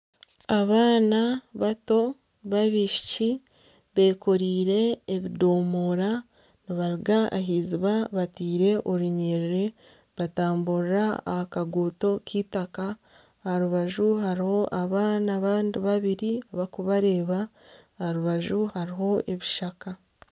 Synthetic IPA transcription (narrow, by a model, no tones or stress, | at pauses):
aβaːnaβato̞ | βaβiʃi̥ci | βe̞ːko̞ɾiːɾe̞ːβido̞ːmoːɾa | niβaɾiɡaa̰ɦiːziβaβatiːɾe̞ʔoɾuɲeɾɾe | βataːmbuɾɾaa̰hakaɡuːto̞kiːtaka | haɾuβaʒuɦaɾiho̞ʔaβaːnaβaːndiβaβiɾiaβakuβaɾe̞ːβa | haɾuβaʒuhaɾiɦo̞ʔe̞βiʃaka